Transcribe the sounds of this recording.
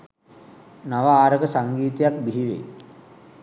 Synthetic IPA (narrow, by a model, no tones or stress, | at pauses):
naʋaaːɾəɡəsaŋɡiːt̪ijakbiɦiʋḛ